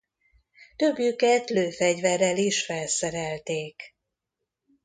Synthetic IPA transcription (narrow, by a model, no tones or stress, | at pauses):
t̪ø̞bjykɛt̪løːfɛɟvɛrːɛliʃfɛlsɛɾɛlt̪eːk